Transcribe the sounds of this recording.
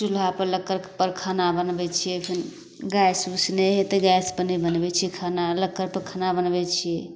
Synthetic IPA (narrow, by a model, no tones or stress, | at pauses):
ʈulɦapəɾləkːəɾpəɾkʰanabənbɛt͡ʃʰijɛpʰin | ɡajsusneɦet̪əɡajspənɛbənbɛt͡ʃʰiɛkʰanaləkːəɾpəɾkʰanabənbɛt͡ʃʰijɛ